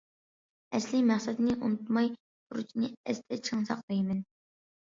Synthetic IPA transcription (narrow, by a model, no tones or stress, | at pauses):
ɛslɪmæχsɛd̪ɨnɪʔunut̪mɑj | b̪̥uɾut͡ʃʰinɨɛst̪ʰɛt͡ʃʰɨŋsɑ̰qd̪ɨjmɪn